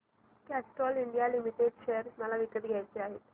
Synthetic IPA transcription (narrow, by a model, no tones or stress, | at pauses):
kæsʈɔliɳɖijalimiʈeɖɕejəɾməlaʋikət̪ɡʱjajt͡seaɦet̪